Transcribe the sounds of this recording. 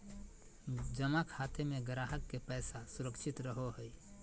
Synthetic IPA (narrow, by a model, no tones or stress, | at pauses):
d͡ʒəmakʰat̪emeɡəɾaɦəkːepɛːsasuɾəkʃʰit̪ɾəɦoɦəi